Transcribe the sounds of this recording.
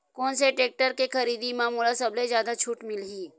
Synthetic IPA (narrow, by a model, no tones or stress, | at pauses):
koːnseʈeːk̚ʈəɾkekʰəɾiːd̪imãːmuːlasɐblezjaːd̪at͡ʃʰuːʈmɪlɦiː